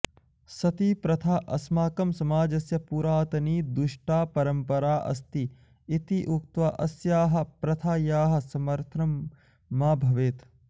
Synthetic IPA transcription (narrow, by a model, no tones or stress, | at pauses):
sɐt̪ipɾɐt̪ʰaːʔɐsmaːkɐmsɐmaːd͡ʒɐsjɐpuːɾaːt̪ɐniːd̪uʂʈaːpɐɾɐmpɐɾaːʔɐ̰st̪iː | t̪iʔukt̪ʋɐʔɐsjaːɦɐ̆pɾɐt̪ʰaːjaːɦɐ̆sɐmɐɾt̪ʰɾɐmː | aːbʱɐʋeːt̪